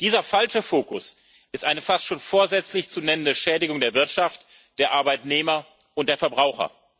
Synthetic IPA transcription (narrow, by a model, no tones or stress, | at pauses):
d̥iːzɐfalʃəfoːkʊ̰s | ʔɪstʔaɪnəfastʃoːnfoːɐzɛt͡slɪçt͡sunɛnəndəʃɛːdɪɡʊŋdeːɐvɪɐtʃaft | d̥eːɐʔaɐbaɪtneːmɐ | ʊnt̚d̥eːɐfɛɐbʁaʊxɐ̰